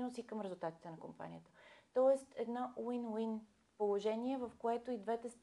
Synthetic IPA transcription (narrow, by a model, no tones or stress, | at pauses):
nosikɤmɾɛzulˠt̪at̪i̥t̪ɛnɐkompa̰nʲḭjət̪ə̥t̪ɔɛst̪ɛd̪nɔʔwinwin | polˠoʒɛniɛvəfkoɛt̪oid̪vɛt̪ɛst̪